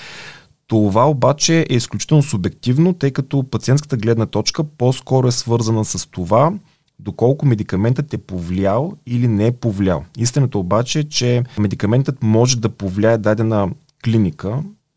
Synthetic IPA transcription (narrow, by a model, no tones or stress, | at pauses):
t̪ovaobat͡ʃɛʔɛisklʲut͡ʃi̥t̪ɛlˠnosubɛk̚t̪ivnot̪ɤjkɐt̪opɐt̪siɛnt̪kə̥t̪əɡlɛd̪nət̪ɔt͡ʃkəpɔskɔɾoɛsvɤɾzənəsɐst̪ova | d̪okɔlˠkʊmɛd̪ikɐmɛnt̪ət̪ɛpovlʲalˠilinɛpovlʲja̰lˠist̪inət̪əobat͡ʃɛt͡ʃɛmɛd̪ikɐmɛnt̪ət̪mɔʒɛd̪ɐpovlʲaɛd̪ad̪ɛnə | klinikə